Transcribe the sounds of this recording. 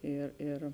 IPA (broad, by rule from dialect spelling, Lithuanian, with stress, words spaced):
ˈeːr eːr